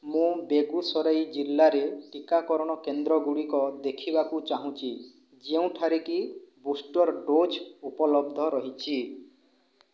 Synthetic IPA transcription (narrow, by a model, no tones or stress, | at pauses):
mũbeɡusɔɾajd͡ʒilːaɾeʈikakɔɾɔɽ̃ɔkend̪ɾɔɡuɽikɔd̪ekʰibakut͡ʃaɦũt͡ʃʰi | d͡ʒeũʈʰaɾekibusʈɔɾɖod͡ʒupɔlɔbd̪ʱɔɾɔɦit͡ʃʰi